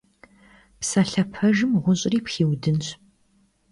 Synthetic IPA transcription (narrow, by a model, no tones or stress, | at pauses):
psɐɬɐpʰɐʒɨmʁʷʊɕʼriːpxiːwdɨnɕ